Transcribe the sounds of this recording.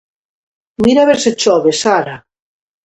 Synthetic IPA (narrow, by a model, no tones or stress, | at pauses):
miɾaβeɾset͡ʃɔβesaɾa